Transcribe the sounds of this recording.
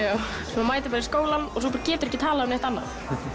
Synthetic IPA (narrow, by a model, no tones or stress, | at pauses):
aw | smamaːjt̪ɪpaɾɪskoːwlanɔsɔpaːɾacɛːt̪ʏɾɛhcɪt̪ʰaːlaðœmneht̪anːa̰θ